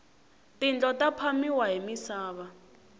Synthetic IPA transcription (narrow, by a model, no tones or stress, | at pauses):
tind͡ɮɔtapʰamiwaɦimisaːβa